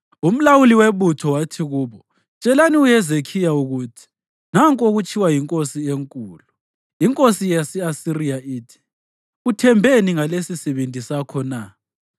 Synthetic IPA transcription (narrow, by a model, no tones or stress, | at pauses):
um̩lawuliweβutʰɔwatʰiɣuːβɔ | t͡ʃʼɛlaniujɛzekʰijauɣutʰi̥ | naŋkʼoɣut͡ʃʼʰiwajiŋkʼosieŋkʼuːlu | iŋkʼosijasɛasirijaʔiːtʰi̥ | utʰɛmbʱeniŋalesisɛβendʱisakʰɔna